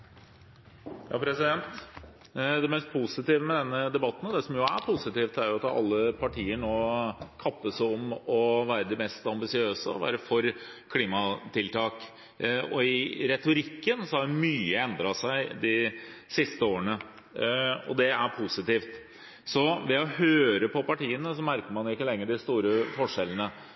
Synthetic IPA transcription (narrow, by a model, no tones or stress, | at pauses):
jɑ̰ːpʰɾɛsɪd̪ɛnt̪ | d̪ɛmɛst̪̚pʰʊsɪt̪iːʋəmɛd̪ɛnːəd̪ɛbɑt̪ːn̩d̪ɛsɔmjʊæɾpʰʊsɪt̪iːft̪əæɾjʊɑt̪ɑ̰lːəpʰɑʈʰiːəɳoːkʰɑpːəsɔmɔʋæːɾəd̪ɪmɛst̪ɑmbɪsɪøːsəɔ̰ʋæ̰ːɾəfɔɾkʰliːmɑt̪ʰɪlt̪ʰɑːk | ɔɪɾɛt̪ʊɾɪkːənsɔhɑɖɛmyːəɛnd̪ɾɑsæɪd̪ɪsɪst̪əoːɾəɳə | ɔ̰d̪ɛæɾpʰʊsɪt̪iːft̪ | sɔʋɛɔhøːɾəpɔpɑʈiːənəsɔmæɾkəɾmɑnjʊɪkːəlɛŋːəɖɪst̪uːɾəfɔʂɛlənə